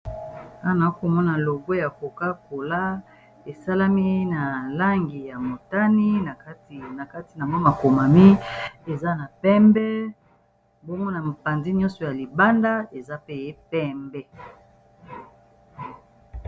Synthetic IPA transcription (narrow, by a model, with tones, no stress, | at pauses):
a˦˨na˨˦ko˨mɔ˦na˨lo˨ɡo˦ja˨ko˨ka˦ko˨la˦ | e˨sa˦la˦mi˦na˨la˦ŋɡi˨ja˨mo˨ta˦ni˦na˨a˦ti˨na˨ka˦ti˨na˨ma˦ma˨ko˨ma˨mi˦e˨za˦na˨pɛ˦mbɛ˦ | bo˦mɔ˦na˨m˨pa˨nzi˦ɲɔ̃˦nsɔ˨ja˨li˨ba˦nda˦e˨za˦pe˦˨je˦pɛ˦mbɛ˦